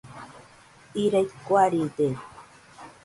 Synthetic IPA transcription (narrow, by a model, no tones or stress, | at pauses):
iɾajt̪kwaɾit̪e